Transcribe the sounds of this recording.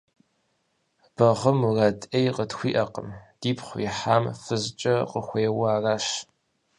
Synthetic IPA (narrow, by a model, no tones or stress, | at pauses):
b̥ɐʁəmuradejqətxʷḭːʔɐqə̰md̥iːpχʷiħaːmfɨzt͡ʃʼɐqəxʷeːwaːraːʃ